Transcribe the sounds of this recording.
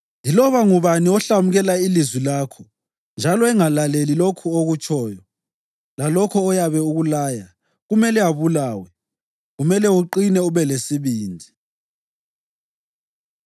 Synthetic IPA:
ndʱilɔβaŋuβaniɔɬamuɣɛlailizwilaːkʰɔ | nd͡ʒʱalɔɛŋalalelilokʰuoɣut͡ʃʼɔːjɔ | lalɔkʰɔːjaβɛuɣulaːja | ɣumɛlɛaβulaːwɛ | ɣumɛlɛuǃinɛuβɛlesiβiːndʱi

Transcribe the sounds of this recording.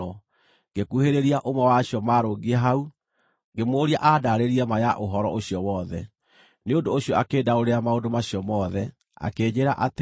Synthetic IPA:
ɔ | ŋɡekuheɾeɾiaʔomwɛwaɕiɔmaɾoɡieɦau | ŋɡemoːɾiaʔadaɾeɾiamajaʔoɦɔɾɔʔoɕjɔwɔːðɛ | neondoːɕiɔakeːdaoɾeamaondomaɕiɔmɔðɛ | a̰keːɲeɾaʔat

